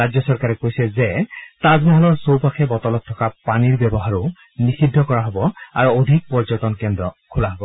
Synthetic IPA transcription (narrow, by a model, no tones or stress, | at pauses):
azɔsɔɹkaɹɛkojsɛzɛtazmɔɦɔlɔɹsowpaxʰɛbɔtɔlɔtʰːɔkapaniɹbɛbɔɦaɹʊ | nixidʱːɔkɔɹaɦɔbɔa̰ɹuodʱik̚pɔɹzɔtɔnkɛndɹɔkʰulaɦɔbɔ